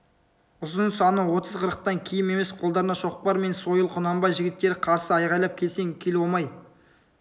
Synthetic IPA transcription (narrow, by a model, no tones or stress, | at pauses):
ʊzənsɑnəwo̞t̪ʰəzqʰəɾəq̚t̪ɑŋkʲʰijɪme̞me̞sqʰolˠd̪ɑɾənɑʃo̞q̚pɑɾme̞nso̞jəlˠqʰʊnɑmbɑjʒɪɡʲɪt̪ːe̞ɾɪqʰɑɾsəɑjʁɑjlˠɑp̚kʲʰe̞lse̞ŋkʲʰe̞lwomɑj